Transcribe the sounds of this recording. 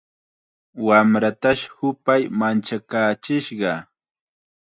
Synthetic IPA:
wamɾat̪aʃhʊpajmant͡ʃakaːt͡ʃɪʃɢɑ

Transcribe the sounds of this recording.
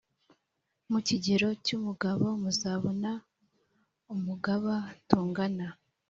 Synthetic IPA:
muciɟeɾo̞cumuɡaβo̞muzaːβona | umuɡaβatuːŋɡana

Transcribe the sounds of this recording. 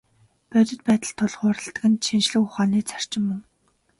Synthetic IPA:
pœt̪ʲɪ̆t̪̚pæːt̪ə̆ɮt̪ʰʊɮχʊːɾə̆ɬt̪̆ɡɘ̆nʃʰinʃɮɘ̆kʊχaːniːt͡sʰar̥t͡ɕɪ̆mːɵŋ

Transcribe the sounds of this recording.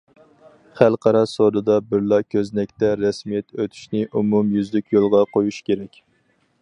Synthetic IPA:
χælˠqʰɑɾɑsod̪ɨd̪ɑbɪɾlˠɑkʲʰøznɛkʲt̪ɛɾɛsmijɛt̪øt̪ʰy̥ʃnɪʔumumjyzlɪkʲjolˠʁɑqʰojuʃkʲeɾɛkʲ

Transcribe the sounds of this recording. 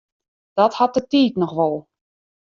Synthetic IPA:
d̥ɔthat̚dətiːtnɔxʋɔlˠ

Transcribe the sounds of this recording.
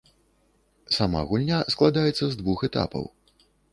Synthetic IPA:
sama̰ɣulʲnʲasklˠad̪ajɛt̪sːɐzd̪vuxɛt̪a̰pɐ̰w

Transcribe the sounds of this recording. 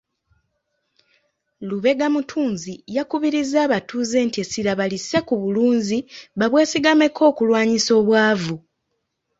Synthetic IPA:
luβe̞ɡamutʰuːnzijakuβiɾizaːβatuːze̞ːntiesilaβalisekuβuluːnziβaβwe̞ːsiɡame̞kʰo̞ːkulwaːɲiso̞ːβwaːvu

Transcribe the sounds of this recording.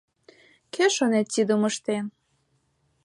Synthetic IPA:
keʃonet̪t͡sid̪əməʃt̪en

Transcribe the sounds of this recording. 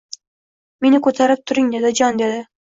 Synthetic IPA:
me̞nɪkʰɵt̪ʰaɾɪp̚t̪ʰʊɾɪŋd̪e̞d̪ɪd͡ʒɒnd̪e̞d̪ɪ

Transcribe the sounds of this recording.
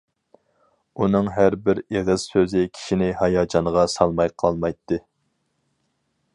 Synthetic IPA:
unɨŋɦæɾbɪɾeʁəz̥søzɪkʲʰi̥ʃinɪhɑjɑːd͡ʒɑnəʁɑsɑlˠmɑjqʰɑlˠmɑjt̪ʰːɨ

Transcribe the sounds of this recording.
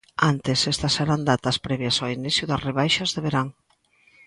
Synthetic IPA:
ant̪esɛst̪ɐsːeɾand̪at̪ɐspɾɛβjɐsainiθjʊðɐsreβ̞ajʃɐzðeβeɾaŋ

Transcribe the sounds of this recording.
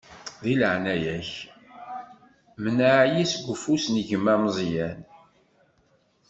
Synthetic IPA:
ðiləʕnæjæç | mənaʕjisɡʷəfusniʝəmːæmzˤjæn

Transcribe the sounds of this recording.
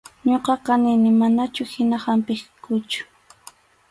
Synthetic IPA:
ɲoqɑqɑnɪnɪmanat͡ʃʊhɪnahampɪχkʊt͡ʃʊ̥

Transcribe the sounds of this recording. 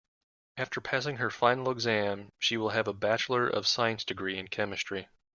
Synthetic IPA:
æftʰə˞pʰæs̬ɪ̃ŋə˞fãɪ̃nl̩ˠəɡzæ̃mʃiwəlˠɨvəbæt͡ʃl̩ˠə˞ʔʌ̰v̥saɪɨ̃nsd̥ɨɡɹiɨ̃nkʰɛmɨstɹ̥i

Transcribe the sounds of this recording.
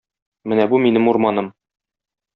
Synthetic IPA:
mɘnæbuminɘmuɾmɑnɤm

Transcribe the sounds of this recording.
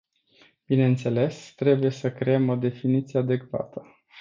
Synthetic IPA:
b̥ine̞ɨnt̪se̞le̞st̪ɾe̞buje̞səkɾeemod̪e̞finit̪sijead̪e̞kva̰t̪ə

